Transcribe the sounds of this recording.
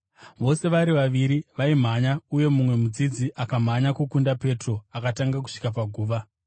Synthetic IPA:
ʋo̞se̞ʋaɾiʋaʋiɾiʋaim̤aɲauje̞mumwe̞mud͡zid͡ziʔakam̤aɲakukundape̞tro̞akataŋɡak̬u̥ʂi̥kapaɡʱuːʋa

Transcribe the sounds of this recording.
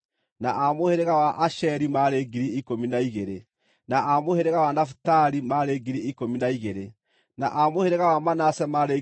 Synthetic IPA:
na̰ʔamoheɾeɣawaʔaʃɛɾimaɾeɡiɾiikominaiɣeɾe | naʔamoheɾeɣawanafu̥taɾimaɾeːɡiɾiikominaiɣeɾe | na̰ʔamoheɾeɣawamanasɛmaɾe

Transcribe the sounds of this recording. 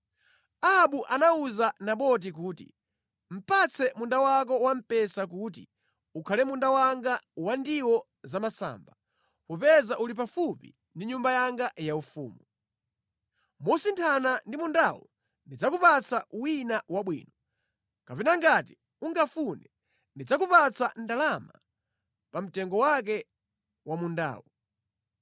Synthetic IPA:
aaɓuʔanauzanaɓɔt̬ik̬uːtḭ | m̩pat͡sʰɛmundawak̬ɔwam̩pɛsak̬ut̬ḭ | ukʰalɛmundawaŋɡawandiwɔ | zamasa̰ːmba | pɔpɛzaʔulipafupḭ | ndiɲumbajaŋɡajaufṵːmu | mɔsintʰanandimundawɔ̰ | ndid͡zakupat͡sʰawinawaɓwḭːnɔ | kapɛnaŋɡati | uŋɡafunɛ | ndid͡zakupat͡san̩dalama̰ | pam̩tɛŋɡɔwak̬ɛ | wamunda̰ːwɔ

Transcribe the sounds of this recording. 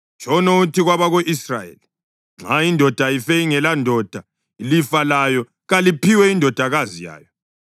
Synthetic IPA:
t͡ʃʰʼɔnoutʰiɣwaβaɣoʔisrajḛli | ŋ͡ǁʱaindʱɔd̥ʱaifɛiŋɛlandʱɔd̥ʱa | ilifalajɔ | ɣalipiwɛindʱɔd̥ʱaɣazija̰ːjɔ

